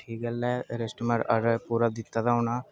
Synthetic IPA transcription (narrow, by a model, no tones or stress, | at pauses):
ʈʰiːkəlːɛɾesʈməɾə̰ɾpuːɾad̪ɪt̪ːad̪aɦʊnaː